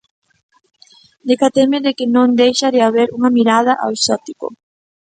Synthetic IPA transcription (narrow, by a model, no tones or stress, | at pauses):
d̪ekat̪emeðekɪnõnd̪ejʃaðɪaβeɾuŋɐmiɾað̞ɐʔa̰wsɔt̪iko̰